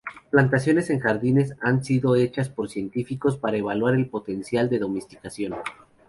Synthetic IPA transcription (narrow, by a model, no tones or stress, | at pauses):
plant̪asjo̞ne̞se̞ŋxaɾðine̞sansiðo̞e̞t͡ʃaspo̞ɾsje̞nt̪ifiko̞spaɾaeβ̞alwaɾe̞lpo̞t̪e̞nsjald̪e̞ðo̞mest̪i̥kasjo̞n